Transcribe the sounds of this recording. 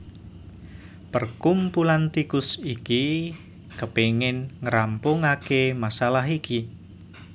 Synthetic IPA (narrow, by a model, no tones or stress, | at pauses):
pərkumpulant̪ikʊsiki | kəpeŋɪnŋəɾampʊŋakemasalaɦiki